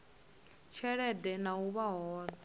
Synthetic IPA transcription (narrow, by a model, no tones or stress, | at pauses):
t͡ʃʰɛɺɛdɛnauβaɦɔːɺa